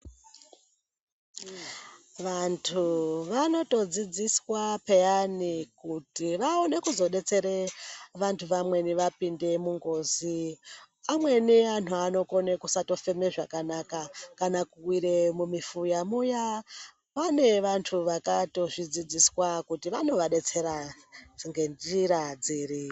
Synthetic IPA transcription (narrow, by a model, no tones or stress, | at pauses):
ʋantʰuʋano̞to̞d͡zid͡ziswapejanikutiʋaone̞kuzo̞ɗe̞t͡se̞ɾeʋantʰuʋamwe̞niʋapinde̞muŋɡo̞ːzi | amwe̞niantuano̞ko̞ne̞kusato̞fe̞me̞ʐakanakakanakuwiɾe̞mumifujamuja | pane̞ʋantʰuʋakato̞ʐid͡zid͡ziswakutiʋano̞ʋaɗe̞t͡se̞ɾa | ŋɡend͡ʒiɾad͡ziːri